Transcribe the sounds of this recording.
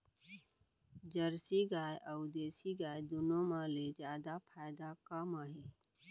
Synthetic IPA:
d͡ʒəɾsiɡaːjʔəʊd̪eːsiɡaːjd̪ʊnõmãled͡ʒjaːd̪apʰaːɪd̪akamaːɦe

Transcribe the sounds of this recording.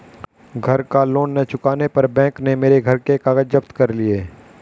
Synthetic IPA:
ɡʱɐɾkaloːnːet͡ʃʊkaːnepɐɾbɛ̃ːknemeːɾeɡʱɐɾkekaːɡəd͡ʒəpt̪kɐɾlieː

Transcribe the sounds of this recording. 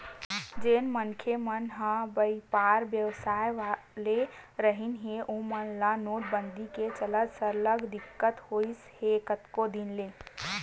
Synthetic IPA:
d͡ʒenmənkʰemənɦə̃bəipaːɾbjəʋsaːjʋa | leɾəɦinɦeʔomənlanoːʈ̚bənd̪iket͡ʃələt̪səɾləɡd̪ɪkːət̪hoishekət̪kod̪inle

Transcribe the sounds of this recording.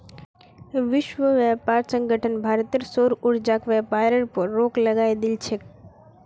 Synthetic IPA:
ʋɪʃʋəʋɛːpaːɾsə̃ŋɡʱəʈʰənbʱaːɾt̪əɾsoːɾʊɾd͡ʒaːkʋɛːpaːɾəɾpəɾːoːklɐɡaːed̪ɪlt͡ʃʰek

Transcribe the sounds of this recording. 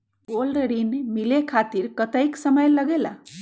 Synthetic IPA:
ɡolɖəɾinmilekʰat̪iɾkət̪əjksəməjləɡela

